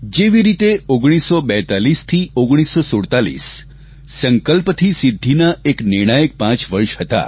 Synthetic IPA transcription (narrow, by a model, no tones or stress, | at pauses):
d͡ʒeʋiɾit̪eoɡɽ̃isːobɛt̪alist̪ʰioɡɽ̃isosoɽt̪alḭsː | əŋkəlpt̪ʰisid̪ʱːinaeknɪɾɽ̃ajək̚pãt͡ʃʋəɾʃɦət̪a̰